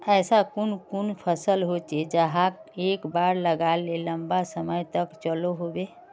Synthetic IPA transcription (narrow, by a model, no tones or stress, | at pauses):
ɛːsakunkunpʰəsəlɦot͡ʃed͡ʒəɦãkekbaɾləɡalːeləmbasəməjt̪əkt͡ʃəloɦobe